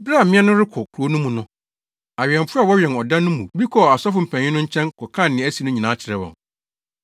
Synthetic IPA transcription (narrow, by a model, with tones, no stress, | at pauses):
bɾa˦˨mɪ̃˦ɛ˦nʊ̃˦ɾɪ˦kʰʊ˨kʰu˨ɾo˦nũ˦mũ˨nʊ̃˦ | a˨ɥɛ̃˨m˨fʊ˦a˦˨wɔ˦ɥɛ̃˨nɔ˨dã˦nːʊ̃˦mũ˨bi˦kʰɔ˨a˨sɔ˦fʊ˨m̩˨pʰæ̃˨ɲɪ̃˦nʊ̃˦ɲ̩˦t͡ɕʰɛ̃˦nkʰɔ˨kʰã˦˨nːɪ̃˨æ˦si˨˦nʊ̃˦ɲĩ˨nã˨˦t͡ɕʰɪ˨ɾɛ˦wɔ̰̃˨ŋ